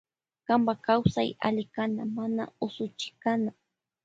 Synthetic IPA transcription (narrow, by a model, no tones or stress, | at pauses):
kambakawsa̰ja̰lɪkanamana̰ʊsʊt͡ʃɪ̥kana